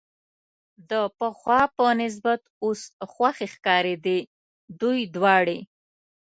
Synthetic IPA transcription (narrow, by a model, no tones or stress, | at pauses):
d̪əpəxwɑpənɪs̬bat̪osxwaxexkɑɾed̪e | d̪ujd̪wɑɽe